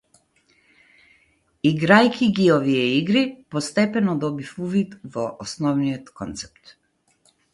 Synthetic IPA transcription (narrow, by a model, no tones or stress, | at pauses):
iɡɾajkʰiɡiɔvijɛiɡɾipɔst̪ɛpɛnɔd̪ɔbifuvit̪vɔʔɔsnɔvnijɔt̪kɔnt̪sɛ̥p̚t̪